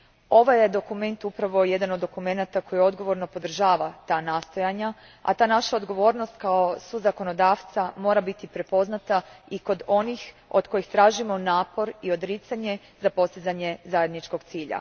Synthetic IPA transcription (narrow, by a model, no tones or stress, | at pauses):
o̞ʋajed̪o̞kume̞nt̪upɾaʋoje̞d̪anod̪ːo̞kume̞nat̪ako̞jio̞d̪ɡo̞ʋo̞ɾno̞po̞d̪r̩ʒaːʋat̪aːnaːst̪o̞jaɲa | a̰t̪aːnaʃaod̪ɡo̞ʋo̞ːɾnost̪kao̞suzako̞no̞d̪aːʋt̪samo̞ːɾabit̪ipɾe̞po̞znat̪aiko̞d̪o̞nix | od̪ko̞jixt̪ɾaːʒimo̞naːpo̞ɾio̞d̪ɾit̪saɲe̞ | zapo̞st̪izaɲe̞zaje̞d̪nit͡ʃko̞ɡt̪siːʎa̰